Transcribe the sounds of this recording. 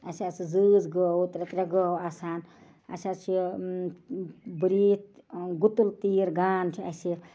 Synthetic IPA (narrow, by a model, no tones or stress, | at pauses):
ɐsat͡sʰid͡zɨd͡zɡəwt̪ɾet̪ɾeɡɔwaːsaːn | ɐ̰sʲat͡ʃʰi | bɾiːt̪̚ʰɡut̪ult̪iːɾɡaːnt͡ʃʰiɐ̰si